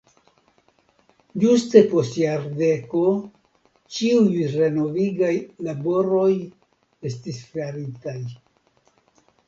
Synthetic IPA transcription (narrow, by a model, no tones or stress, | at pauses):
d͡ʒuste̞po̞stjaɾde̞ko̞ | t͡ʃiujɾe̞no̞viɡajlabo̞ɾo̞j | e̞stisflaɾitaj